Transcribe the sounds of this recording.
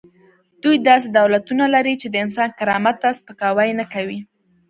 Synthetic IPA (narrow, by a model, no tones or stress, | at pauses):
d̪̥ujd̪ɑs̬ed̪awlat̪unalaɾit͡ʃed̪əɪns̬ɑnkaɾɑmat̪ːaspəkɑwajnakawi